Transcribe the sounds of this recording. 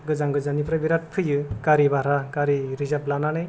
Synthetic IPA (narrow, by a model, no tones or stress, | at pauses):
ɡɯzaŋɡɯzanipʰɾabiɾat̚pʰɯjɯkaɾibaɾakaɾiɾizablananɯj